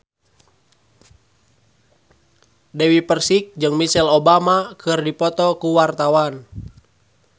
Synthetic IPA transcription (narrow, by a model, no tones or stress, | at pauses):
dɛwipərsik̚d͡ʒɨŋmisɛlɔbamakʰɨrdipɔt̪ɔkuwart̪awan